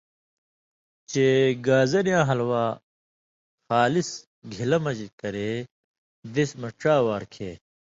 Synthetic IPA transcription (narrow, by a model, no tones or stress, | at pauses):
t͡ɕeːɡaːzɐɾjãːɦɐlwaː | xaːlis | ɡʱilɐmɐd͡ʑikɐɾeː | d̪ismɐʈ͡ʂaːwaːɾkʰeː